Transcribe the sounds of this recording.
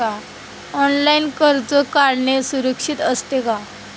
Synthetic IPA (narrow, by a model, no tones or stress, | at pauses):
a | ɔnlainkəɾd͡zɔkaɾɳesuɾəkʂit̪əst̪eka